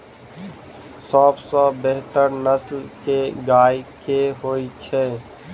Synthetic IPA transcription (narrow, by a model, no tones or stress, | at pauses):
sɔbsɔ̃beɦt̪əɾnəslkeɡaːjkeɦoːit͡ʃʰɛː